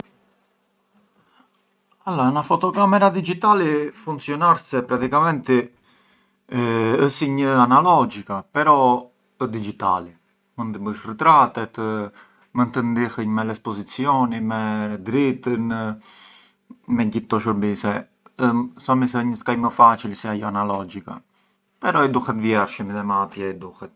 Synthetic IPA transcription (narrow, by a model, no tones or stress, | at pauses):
alanafɔt̪ɔkamɛɾad̪id͡ʒit̪alifunt̪sjɔnaɾsɛpɾat̪ikamɛnt̪ɛ | əsiɲəanalɔd͡ʒikapɛɾɔ | əd̪id͡ʒit̪a̰li | mənd̪əbəʃrət̪ɾat̪ɛt̪ə | mənt̪ənd̪ixəɲmɛlɛspɔzit͡sijɔnimɛd̪ɾit̪ən | mɛɟit̪ːɔʃəɾbisɛ | sɔmisɛəɲəskajməfat͡ʃilsɛajɔanalɔd͡ʒika̰ | pɛɾɔɛd̪uhɛt̪vjɛɾʃəmit̪ɛmat̪jɛɛd̪uhɛt̪̚